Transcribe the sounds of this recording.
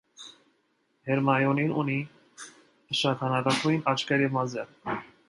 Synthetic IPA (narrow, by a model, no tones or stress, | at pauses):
hɛɾmɑjɔninuni | əʃɑt̪ʰɑnɑkɑkʰujinɑt͡ʃʰkɛɾimɑzɛɾ